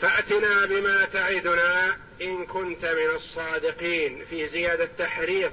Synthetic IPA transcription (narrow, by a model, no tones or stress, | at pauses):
faʔt̪ɪnaːbɪmaːt̪aʕɪd̪ʊnaː | ʔɪnkʊnt̪mɪnɑsˤːɑːd̪ɪqiːnfiːzɪjaːd̪at̪ːaħɾiːðˤ